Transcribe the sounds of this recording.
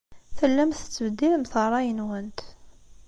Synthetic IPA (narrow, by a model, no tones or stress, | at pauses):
θəlːæmθə̥t͡sːəbəd̪ːiləmθərˤːɑjənwænt̪